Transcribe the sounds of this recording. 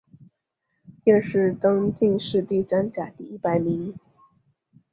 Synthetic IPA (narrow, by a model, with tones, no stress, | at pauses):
t̪i˥ə˥˩ʂɻ̩˥˩t̪ɤ˥ŋt͡ɕi˥˧ŋʂɻ̩˥˧t̪i˥˩t͡sa˥nt͡ɕja˨˩˦t̪i˥˩i˥˩pa˨˩ɪmi˧˥ŋ